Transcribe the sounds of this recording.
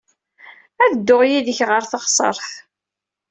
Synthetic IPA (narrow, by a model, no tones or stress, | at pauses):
æðəd̪ːoʁjiðəçʁəɾθəʁsˤə̰ɾˤθ